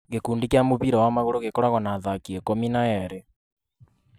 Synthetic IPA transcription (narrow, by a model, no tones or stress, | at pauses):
ɣekuːndikamoβiɾɔwamaɣoɾoɣekɔɾaɣɔnaðakiɛkominaɛɾe